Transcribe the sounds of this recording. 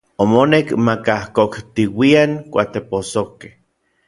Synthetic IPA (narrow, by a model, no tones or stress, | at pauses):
omonekmakahkokt̪iwiaŋkʷa̰t̪eposokeh